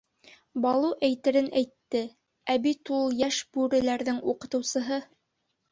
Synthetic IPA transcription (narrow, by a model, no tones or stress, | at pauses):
bɑlˠuʔæjt̪ɘ̆ɾɘnʔæjt̪ːɘ | æbit̪ulˠjæʃbʉɾɘ̆læɾðɘŋuqɤ̆t̪ɤ̆wsɤ̆ɦɤ